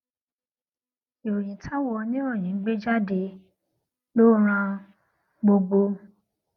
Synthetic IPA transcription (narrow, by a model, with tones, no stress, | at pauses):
i˨wo˨jĩ˨˦tʰa˦wɔ˧nĩ˦ɾ̃ɔ̃˦˨j̃ĩ˨˦ɡ͡be˦d͡ʒa˦de˧ | lo˦ɾ̃ã˧ | ɡ͡bo˧ɡ͡bo˧